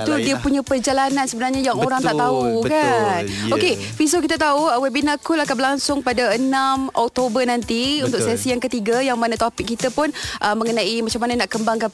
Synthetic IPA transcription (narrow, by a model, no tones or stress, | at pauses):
t̪udiəpuɲapərd͡ʒalanansəbənarɲajaŋoɾaŋt̪aʔt̪aukanoke | fisok̬it̪at̪auəwɛbinakulahkabəɾlaŋsʊŋpadaənamɔk̚t̪obərnãnt̪iunt̪ʊksɛsijaŋkət̪iɡajaŋmanãt̪opɪk̚ːit̪əpʊnʔəmːəŋənaʔimat͡ʃamːananaʔkəmbaŋka